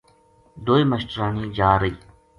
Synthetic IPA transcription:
d̪oːiːməʃʈ̪ɾaːnĩːd͡ʒaːɾəiː

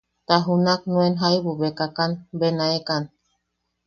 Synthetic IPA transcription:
t̪aɦunak̚nũenɦajβuβekakanbenaekan

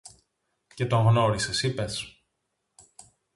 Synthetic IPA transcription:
ce̞t̪o̞ŋɣno̞ɾisesipe̞s

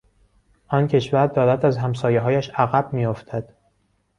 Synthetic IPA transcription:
ʔɒːncʰe̞ʃvæɾd̪ɒːɾæt̪æzɦæmsɒːjeɦɒːjæʃæɣæb̥̚mijoft̪ʰæd̪̥

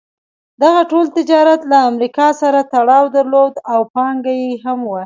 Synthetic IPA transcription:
d̪aɣaʈolt̪ɪd͡ʒɑɾat̪laːmɾikɑsaɾat̪aɽɑwd̪aɾlod̪awpɑŋɡajeɦamwa

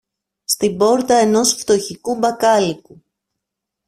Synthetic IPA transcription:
st̪ibo̞ɾt̪ɐe̞no̞sft̪o̞çikubɐkɐliku

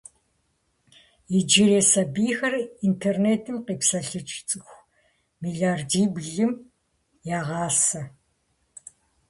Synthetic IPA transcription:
id͡ʒɪɾeːsɐbiːxɐrintʰerneːtʰɨmqiːpsɐɬɨt͡ʃʰʼt͡sʼɨxʷ | miɮaːrdiːbɮɨm | jaːʁɑːsɐ

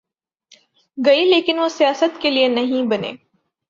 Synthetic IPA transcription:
ɡɐileːkɪnʋosijaːsət̪kelienɐɦĩbɐnḛː

